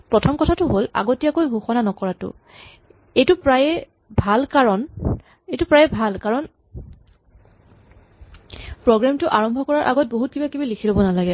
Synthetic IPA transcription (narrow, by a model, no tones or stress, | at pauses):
pɹɔtʰɔmkɔtʰatʊɦola̰ɡotijakojɡʱuxɔnanɔkɔɹatʊ̰ | ejtʊpɹajɛ | bʱalkaɹɔn | ejtʊpɹajɛbʱalkaɹɔn | pɹɔɡɹamtʊʔaɹɔmbʱɔkɔɹaɹʔa̰ɡɔt̚boɦut̚kibakibalikʰilobɔnalaɡɛ